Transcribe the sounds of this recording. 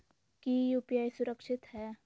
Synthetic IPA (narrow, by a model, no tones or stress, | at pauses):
kiupjaːjsʊɾəkʃɪt̪hɛː